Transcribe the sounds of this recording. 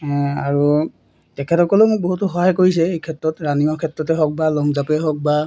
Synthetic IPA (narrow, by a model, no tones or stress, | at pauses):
aɹu | tɛkʰɛtɔkɔlomʊk̚boɦutɔxɔɦajkoɹis̬ɛejkʰɛtɹɔtɹaniɔkʰɛtɹɔtɛɦɔk̚balɔŋzapɛɦɔk̚ba